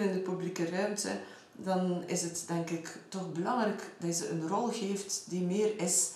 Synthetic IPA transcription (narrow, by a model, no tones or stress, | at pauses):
nɪndəpyblikərœɥmtə | dɑnɪsɦətdɛŋkɪktɔxbəlɑŋrɛkd̥ɑjzəənrɔlˠɣeːftdimeːrɪs